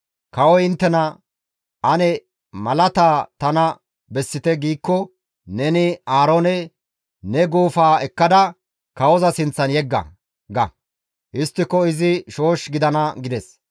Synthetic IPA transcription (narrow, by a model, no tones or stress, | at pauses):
kɐwɔjɪnt̪ːɛnɐ | ʔɐnɛ | mɐlɐt̪aːt̪ɐnɐ | bɛsːɪt̪ɛɡiːkːɔ | nɛnɪaːɾo̞ːnɛ | nɛɡuːfaːɛkːɐd̪ɐ | kɐwɔzɐsɪnt͡sːɐnjɛɡːɐ̰ | ɡɐ̰ | ʔɪst̪ːɪkːɔɪzɪʃo̞ːʃɡɪd̪ɐnɐɡɪd̪ɛs